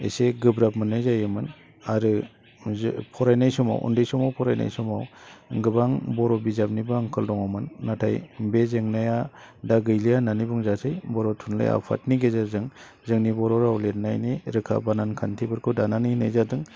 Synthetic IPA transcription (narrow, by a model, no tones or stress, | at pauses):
ḛseɡɯbɾap̚mɯnɯjzajɯmɯn | aɾɯ | pʰɔɾajnajsɔma̰wʔɔ̰ndɯjsɔmawpʰɔɾajna̰jsɔmawɡɯbaŋbɔɾɔbizap̚nibɯŋkʰɯldɔŋamɯnːatʰa̰jbezeŋnajadaɡɯjlijananibuŋzasʰɯjbɔɾɔtʰunlɯ̰ja̰pʰa̰tniɡezazɯŋ | zɯŋnibɔɾɔɾawlet̚najniɾɯkʰa̰banankʰantʰibɯɾkʰudananinɯjzadɯŋ